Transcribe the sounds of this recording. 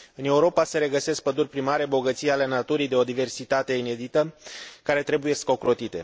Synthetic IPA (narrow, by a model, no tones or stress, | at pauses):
ɨne̞uɾo̞pase̞ɾe̞ɡəse̞sk̚pəd̪urʲpɾimaɾe̞bo̞ɡət̪sijale̞nat̪uɾijd̪e̞o̞d̪ive̞rsit̪at̪e̞ine̞d̪it̪əkaɾe̞t̪ɾe̞buje̞sko̞kɾo̞t̪it̪e̞̰